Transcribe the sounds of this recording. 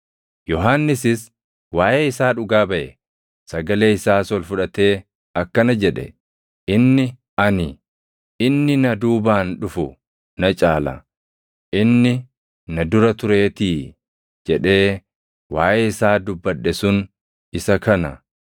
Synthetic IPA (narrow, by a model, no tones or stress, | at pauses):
jɔɦanːɪsɪs | waːʔeːɪsaːᶑʊɡaːbɐʔɛ | sɐɡɐle̞ːɪsaːswɐlfʊᶑɐt̪e̞ː | ɐkːɐnɐd͡ʒɛᶑɛ̰ | ʔɪnːɪ | ɐnɪ | ɪnːɪnɐd̪uːbaːnᶑʊfʊ | nɐt͡ʃʼaːlɐ̰ | ʔɪnːɪ | nɐd̪ʊɾɐt̪ʊɾe̞ːt̪iː | d͡ʒɛᶑe̞ː | waːʔeːɪsaːd̪ʊbːɐᶑːɛsʊn | ɪsɐkʰɐnɐ̰